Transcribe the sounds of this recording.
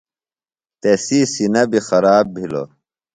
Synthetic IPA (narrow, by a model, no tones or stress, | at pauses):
t̪esiːsinɐbʱixɐɾaːbbʱilo̰